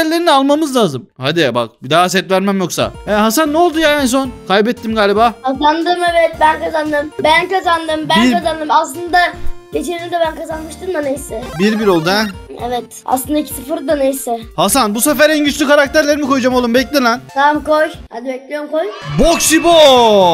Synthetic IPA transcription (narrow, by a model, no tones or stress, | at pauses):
ɾlʲeɾinalˠmamɯzlˠaːzɯmhad̪iba̰k̚bid̪aɦasɛt̪væɾmæmjoksa̰ɛɦasannːɛolˠd̪ujaɛns̬o̞nkʰajbɛt̪ʰːimɡaːlʲibaːhazand̪ɯmevɛt̪̚bænkazand̪ɯmbænkazand̪ɯmbæiɾkazand̪ɯmaslˠɯnd̪aɟ̥et͡ʃʰiɾd̪imd̪ɛbænkazanmɯʃt̪ʰɯmmanejsɛbiɾbiɾolˠd̪uɛ | ḛvɛt̪ | a̰slˠɯnd̪aicʲʰi̥sɯfɯɾd̪anejsɛhasanbusefæɾɛnɟyt͡ʃlʲykʰaɾak̚t̪ʰæɾlʲeɾimikʰo̞jud͡ʒamolˠumbɛclʲilænt̪ʰamkojha̰d̪ibɛclʲijomkojboksibo